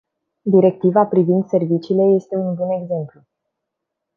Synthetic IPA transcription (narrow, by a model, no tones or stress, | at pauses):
d̪iɾe̞k̚t̪ivapɾivind̪se̞rvit͡ʃiːle̞je̞st̪e̞unbune̞ɡze̞mplu